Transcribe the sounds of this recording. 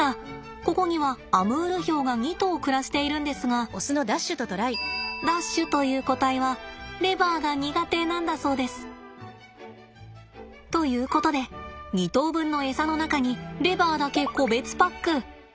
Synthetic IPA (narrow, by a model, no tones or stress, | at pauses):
a | ko̞ko̞ɲ̟iβ̞aːmɯ̟ːɾɯ̟ço̞ːɡaŋ̟ʲit̪o̞ːkɯ̟ɾaɕi̥t̪e̞iɾɯ̟̃nd̪e̞sɨɡao̞sɨno̞d̪aɕːɨt̪o̞t̪o̞ɾaid̪aɕːɨt̪o̞jɯ̟ːko̞t̪aiβaɾe̞baːɡaɲ̟iɡat̪e̞ːnãnd̪aso̞ːd̪e̞sɨ̥ | t̪o̞jɯ̟ːko̞t̪o̞d̪e̞ɲit̪o̞ːbɯ̟̃nːo̞e̞sano̞nakaɲ̟iɾe̞baːd̪ake̞ko̞be̞t͡sɨ̥pakːɯ̟